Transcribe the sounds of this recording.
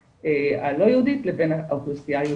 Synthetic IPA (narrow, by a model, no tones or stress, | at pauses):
ealo̞jeud̪it̪lebenaʔawχustiaje